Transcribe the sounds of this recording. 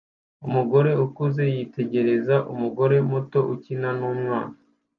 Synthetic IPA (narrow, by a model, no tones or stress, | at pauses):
umuɡo̞ɾe̞ukuze̞jite̞ɟe̞ɾe̞zaʔumuɡo̞ɾe̞muto̞ʔucinanuːmŋa̰ːna